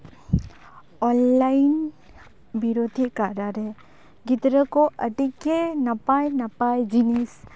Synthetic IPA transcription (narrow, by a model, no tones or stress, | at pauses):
ɔnlaɪn | biɾod̪ʱikaɾaɾe | ɡɪt̪ɾəkoʔɐʈikːenɐpajnɐpajd͡ʒinis